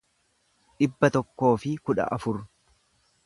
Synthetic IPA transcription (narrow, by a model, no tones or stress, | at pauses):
ᶑɪbːɐt̪ɔkːo̞ːfɪkʊᶑɐ̰ʔɐfʊɾ